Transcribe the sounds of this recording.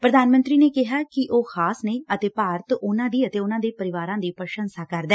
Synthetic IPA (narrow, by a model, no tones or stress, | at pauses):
pɾəd̪aːnmə̃nt̪ɾiːneːkɪɦaːkɪʔoːxʰaːsneːət̪eːpaːɾət̪ʊnãːd̪iːət̪eːʊnãːd̪eːpəɾɪʋaːɾãːd̪iːpəɾʃənsaːkəɾd̪ɛː